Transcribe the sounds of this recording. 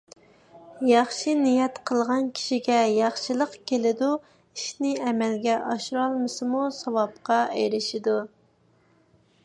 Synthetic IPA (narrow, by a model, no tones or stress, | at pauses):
jɑχʃinijɛt̪qʰəlˠʁɑnkʲʰi̥ʃiɡʲɛjɑχʃɨlˠəqkʲʰelɪd̪u | iʃnɪɛmɛlɡʲɛʔɑʃɾɑlˠmɨsɨmusɑwɑp̚qɑejɾɪʃid̪u